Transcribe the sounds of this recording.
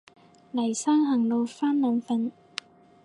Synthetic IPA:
lɐ˨˩jsaː˥ŋhɐ˨˩ŋlo˨˧wfaː˥nmœː˨˧nfɐ˧n

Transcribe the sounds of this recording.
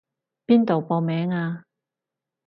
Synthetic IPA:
piː˥nt̪o˨wpɔ˧mɛː˨˥ŋaː˧

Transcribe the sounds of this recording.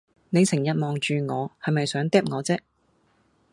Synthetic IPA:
ne˨˧jsʰɪ˨˩ŋjɐ˨t̚mɔː˨ŋt͡ʃyː˨˧ŋɔː˨˧hɐ˨jmɐ˨jsœː˨˥ŋt̪ɛː˥p̚ŋɔː˨˧t͡sɛː˥k̚

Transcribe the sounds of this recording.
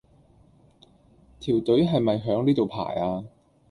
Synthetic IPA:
t̪ʰiː˨˩wt̪ɵ˨˥ɥɦɐ˨jmɐ˨jɦœː˨˥ŋniː˥t̪o˨wpʰa̰ː˨˩jaː˧

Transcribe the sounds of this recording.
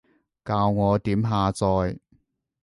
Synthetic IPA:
kaː˧wŋɔː˨˧t̪iː˨˥mɦaː˨˧t͡sɔː˧j

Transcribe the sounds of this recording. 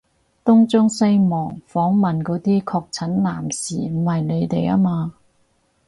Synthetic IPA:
t̪ʊ˥ŋt͡sʊ˥ŋsɐ˥jmɔː˨˩ŋfɔː˨˥ŋmɐ˨nkɔː˨˥t̪iː˥kʰɔː˧k̚t͡sʰɐ˨˥nlaː˨˩msḭː˨m̩˨˩hɐ˨jne˨˧jt̪e˨ja̰ː˥maː˧

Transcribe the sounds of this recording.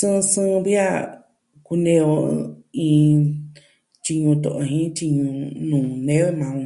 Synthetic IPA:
sɨ̃˦˧sɨ̃˦βi˦a˦˨ | ku˧nẽ˧o˧ĩ˧ | t͡ʃi˧ɲũ˧t̪õ̰˨ʔo˧ɦĩ˦t͡ʃi˧ɲũ˧nũː˨nẽ˦lmã˧

